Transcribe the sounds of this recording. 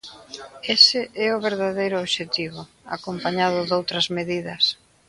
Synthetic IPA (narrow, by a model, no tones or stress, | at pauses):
esɪʔɛʊβ̞eɾðaðejɾʊoβʃet̪iβʊ | a̰kompaɲaðʊðowt̪ɾɐzmeðiðɐs